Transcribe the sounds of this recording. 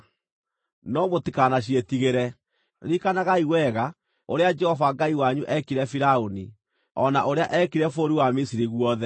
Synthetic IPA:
nɔmotikanaɕ̬ietiɣeɾɛ | ɾikanaɣaiwɛɣa | oɾead͡ʒɛhɔvaɡaiwaɲuʔɛkiɾɛfiɾaoni | ɔnaʔoɾeaʔɛkiɾɛfoɾiwamisiɾiɣwɔðɛ

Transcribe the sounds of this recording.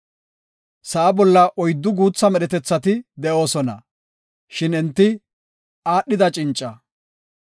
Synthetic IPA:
sɐʔɐbɔlːɐʔɔjd̪ːʊɡuːt͡sːɐmɛɗɛt̪ɛt͡sːɐt̪ɪd̪ɛʔo̞ːsɔnɐ̰ | ʃɪnɛnt̪ːɪ | aːɗːɪd̪ɐt͡ʃʼɪnt͡ʃʼːɐ

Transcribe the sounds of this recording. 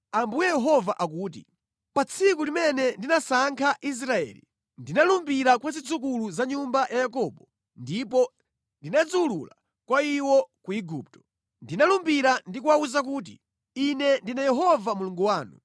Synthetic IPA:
ambujɛjɛɦɔvaʔak̬uːt̬ḭ | pat͡sʰikulimɛnɛndinasaŋkʰaʔis̬ɾaɛ̰ːlḭ | ndinalumbiɾakwazid͡zuk̬uluzaɲumbajajakɔːɓɔ | ndip̬ɔ | ndinad͡zulula̰ | kwaiwɔkuiɡuːp̚tɔ̥ | ndinalumbiɾandikuwauzak̬uːt̬ḭ | inɛndinajɛɦɔvamuluŋɡuwaːnu

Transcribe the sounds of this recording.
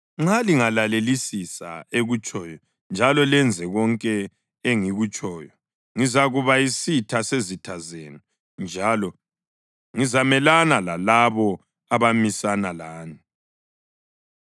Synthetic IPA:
ŋ͡ǁaliŋalalelisisa̰eɣut͡ʃʼɔːjɔ | nd͡ʒʱalɔlɛnd͡zʱɛɣɔŋkʼɛ | eŋiɣut͡ʃʼɔːjɔ | ŋizaɣuβaisitʰasezitʰazeːnu | nd͡ʒʱalɔ | ŋizamɛlanalalaβɔ | aβamisanalaːni

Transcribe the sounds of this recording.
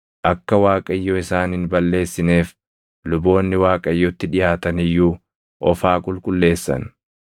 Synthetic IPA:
ʔɐkːɐwaːkʼɐjːɔɪsaːnɪnbɐlːe̞ːsːɪne̞ːf | lʊbo̞ːnːɪwaːkʼɐjːɔt̪ːɪᶑɪjaːt̪ɐnɪjːuː | ʔɔfaːkʼʊlkʼʊlːe̞ːsːɐ̰n

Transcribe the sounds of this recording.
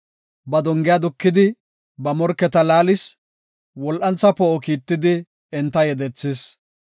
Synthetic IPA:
bɐd̪ɔŋɡɪjad̪ʊkːɪd̪ɪ | bɐmɔɾkːɛt̪ɐlaːlɪs | wɔlʔɐnt͡sːɐpɔʔɔkiːt̪ːɪd̪ɪ | ɛnt̪ːɐjɛd̪ɛt͡sːɪs

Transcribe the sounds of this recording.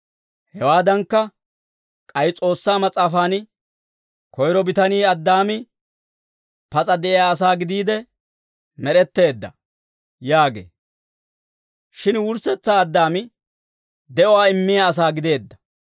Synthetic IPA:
hɛwaːd̪ɐŋkːɐ | kʼɐjt͡sʼo̞ːsːaːmɐt͡sʼaːfaːn | kɔjɾɔbɪt̪ɐniːɐd̪ːaːmɪ | pɐt͡sʼɐd̪ɛʔɪjaːs̬aːɡɪd̪iːd̪ɛ | mɛɾɛt̪ːe̞ːd̪ːɐ̰ | jaːɡḛː | ʃɪnwʊɾsɛt͡sːaːd̪ːaːmɪ | d̪ɛʔɔwaːɪmːɪjaɐs̬aːɡɪd̪e̞ːd̪ːɐ̥

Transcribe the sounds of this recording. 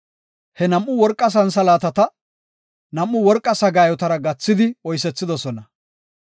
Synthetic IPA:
hɛnɐmːʊwɔɾkʼːɐs̬ɐns̬ɐlaːt̪ɐt̪ɐ | nɐmːʊwɔɾkʼːɐsɐɡaːjɔt̪ɐɾɐɡɐt͡sːɪd̪ɪɔjsɛt͡sːɪd̪ɔsɔnɐ

